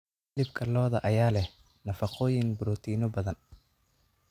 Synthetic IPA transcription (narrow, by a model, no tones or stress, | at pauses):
lɪbkʰɐlɔːðɐʔɐjaːlɛh | nɐfɑqʰɔːjɪŋbʊɾɔt̪ʰiːnɔbɐðɐn